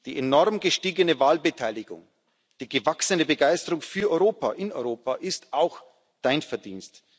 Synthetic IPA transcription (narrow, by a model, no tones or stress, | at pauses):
d̥iːʔenɔʁmɡəʃtiːɡənəvaːlbətʰaɪlɪɡʊ̰ŋ | d̥iːɡəvaksənəbəɡaɪstəʁʊŋfyːɐʔɔʏʁoːpa̰ʔɪnɔʏʁoːpaʔɪstaʊx | d̥aɪnfɛɐdiːnst